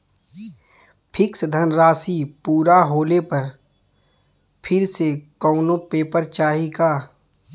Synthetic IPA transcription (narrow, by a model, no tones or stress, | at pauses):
pʰɪksd̪ʱənɾaːsipuːɾaɦoːlepɐɾ | pʰɪɾsekɔːnõpeːpəɾt͡ʃaːɦiɡaː